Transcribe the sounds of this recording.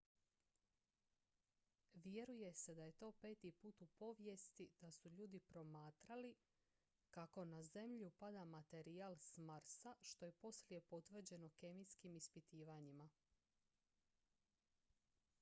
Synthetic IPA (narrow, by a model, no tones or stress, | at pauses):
ʋje̞ɾuje̞se̞d̪aje̞t̪o̞ːpe̞ːt̪ipuːt̪upo̞ʋje̞st̪id̪̥asuʎuːd̪ipɾo̞maːt̪ɾali | kako̞naze̞mʎupad̪amat̪e̞ɾiaːlsmaɾsaʃt̪o̞je̞po̞slje̞po̞t̪ʋr̩d͡ʑe̞no̞ke̞miskimispit̪iːʋaɲima